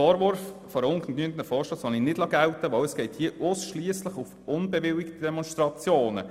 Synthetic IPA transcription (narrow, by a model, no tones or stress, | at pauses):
ɔːɾvʊɾffɔɾʊŋkn̩knyənt̪ənəfɔːɾʃlɑːsɔninɪd̥lɑɡæltəʋœwəsɡ̥ɛɪthiəʔʊsʃliəsləχʊfʊnbɛʋɪlɪkt̪id̥ɛmɔnstɾɑt͡sjoːnə̰